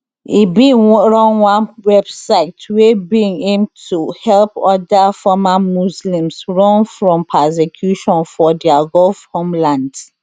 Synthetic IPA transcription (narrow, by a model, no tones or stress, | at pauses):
ibĩŋɹɔ̃nwãnwɛbsaɪtʰwebĩŋẽmtuhɛlpɔdafɔmamuslĩmsɹɔ̃nfɹɔ̃mpʰɛsɛkʰjuʃɔ̃nfɔdiaɡɔlfhõmlãnd